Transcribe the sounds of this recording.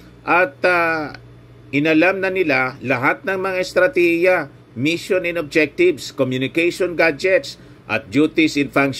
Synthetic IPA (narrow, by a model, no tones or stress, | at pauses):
ʔɐt̪a | ʔɪnɐlamnɐnɪlalɐɦat̪̚nɐŋmɐŋaɛst̪ɾɐt̪ɛhijɐ | miʃonɪnob̚d͡ʒɛk̚t̪ɪvskomjʊnɪkɛjʃonɡad͡ʒɛt̪s | ʔɐ̰t̪̚d͡ʒut̪ɪsɪnfaŋkʃ